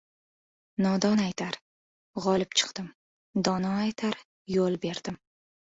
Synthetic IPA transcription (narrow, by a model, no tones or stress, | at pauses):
nɒd̪ɒnajt̪ʰaɾ | ʁɒlɪp̚t͡ʃʰɨ̥qd̪̥ɪm | d̪ɒnɒajt̪ʰaɾ | jolˠbe̞ɾd̪̥ɪm